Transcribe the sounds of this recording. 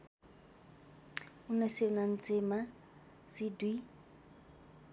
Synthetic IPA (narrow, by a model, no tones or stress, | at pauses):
ʊnasɪʊnan̩t͡sʼɪma | sɪdwi